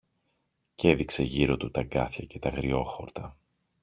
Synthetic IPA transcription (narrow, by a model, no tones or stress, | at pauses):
ce̞ðikse̞ʝiɾo̞t̪ut̪ɐɡɐθçɐce̞t̪ɐɣɾio̞xo̞ɾt̪ɐ